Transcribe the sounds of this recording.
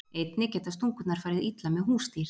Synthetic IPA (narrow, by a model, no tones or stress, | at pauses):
ejt̪nɪcɛt̪ast̪uŋkʏt̪naɾ̥faːɾɪðit̪lamɛðɦuːst̪iɾ̥